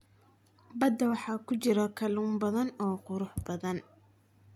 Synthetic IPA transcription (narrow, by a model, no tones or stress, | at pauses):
bɐd̪ɐwɑħɑːkʰʊt͡ʃɪɾɐkʰɐluːmbɐðɐnɔːqʊɾʊħbɐðɐn